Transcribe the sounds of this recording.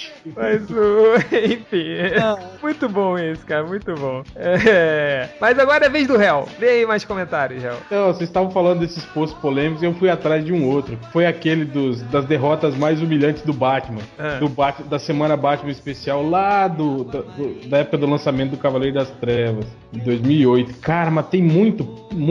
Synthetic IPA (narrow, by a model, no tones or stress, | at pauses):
mazʊẽj̃fĩ | mũj̃t̪ʊbõw̃esɪ̥kaɾɐmũj̃t̪ʊbõw̃ɛɛɛmɐjzaɡɔɾɐɛvezd̪ʊɦɛwd̪ejɐimajskõmẽnt̪aɾjʊhɛ̰wt̪ɐ̃w̃sezst̪avɐ̃w̃falɐ̃d̪ʊd̪esɪsfoɾsʊ̥spolẽmikʊziewfujat̪ɾazd͡ʒɪũot̪ɾʊfojakelɪd̪ʊzd̪ɐzd̪eɦɔt̪ɐzmajzumiʎɐ̃nt͡ʃɪzd̪ʊbat͡ʃɪmɐ̃ãd̪ʊbat͡ʃd̪ɐsemɐ̃nɐbat͡ʃimɐ̃ispesiawlad̪ʊd̪ɐd̪ʊd̪ɐɛpʊkɐd̪ʊlɐ̃samẽt̪ʊd̪ʊkavalejɾʊd̪ɐst̪ɾɛvɐs | ẽd̪ojzmiwiojt̪ʊ̥kaɾɐmɐt̪ẽj̃mũj̃t̪ʊm̃